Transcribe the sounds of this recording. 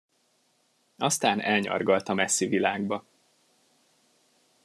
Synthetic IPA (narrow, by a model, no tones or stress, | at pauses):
ɒst̪aːnɛlɲɒ̰rɡɒlt̪ɒmɛsːivilaːɡbɒ